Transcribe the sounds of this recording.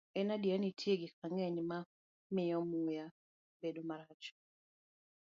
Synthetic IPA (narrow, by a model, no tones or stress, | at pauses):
ɛnadjanitʰjeɡɪk̚aŋɛɲma | mɪɔmuja | bedomaɾat͡ʃɔ̥